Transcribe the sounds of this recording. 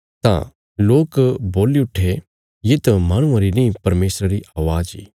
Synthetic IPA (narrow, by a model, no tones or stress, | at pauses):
t̪ã̰ | loːkboːliʊʈʰːe | jet̪ɐmaːɽ̃ʊ̃ãɾinĩpɐɾmeːsɾaɾiʔaːʋaːd͡ʒḭː